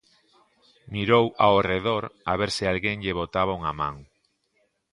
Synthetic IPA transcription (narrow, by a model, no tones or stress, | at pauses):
miɾowaoreðoɾaβeɾsɪalɣeŋʎeβot̪aβauŋamã̰ŋ